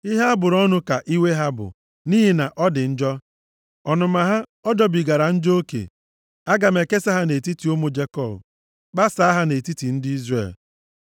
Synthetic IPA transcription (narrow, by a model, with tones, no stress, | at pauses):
i˦ɦa˦a˦bʊ˨ɾɔ˦nʊ˦ka˨ʔi˦we˦ɦa˦bʊ̰˨ | niː˦ɦi˨na˨ʔɔ˦dɪ˨n̩˦d͡ʒɔ˦ | ɔ˨nʊ˨ma˨ɦa˦ɔ˦dɔ˨bi˨ɡa˨ɾa˨n̩˦d͡ʒo˦o˦kḛ˨ | a˦ɡa˨me˨ke˦sa˦ɦa˦ne˨ti˦ti˨o˦mo˦d͡ʒe˦kɔ˦˨b̰ | k͡pa˦sa˨˦a˦ɦa˦ne˨ti˦ti˨n̩˦dɪ˦i˦zrḛ˨l